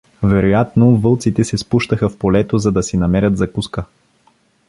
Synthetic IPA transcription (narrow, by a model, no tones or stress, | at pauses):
vɛɾojat̪novɤlˠt̪sit̪ɛsɛspuʃt̪əxɐfpolɛt̪ozɐd̪ɐsinɐmɛɾʲət̪zɐkuskə